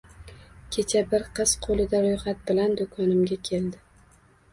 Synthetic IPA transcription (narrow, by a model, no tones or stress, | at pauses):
kʲʰe̞t͡ʃʰabɪɾqʰɨz̥qʰolɪd̪aɾojχat̪̚bɪland̪ʊkʰɒnɪmɡʲakʲʰe̞ld̪ɪ